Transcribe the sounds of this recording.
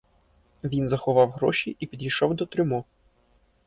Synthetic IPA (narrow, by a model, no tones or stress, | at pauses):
ʋʲinzɐxɔʋɑwɣɾɔʃʲiʔipʲid̪ʲijʃɔwd̪ɔt̪ɾʲʊmɔ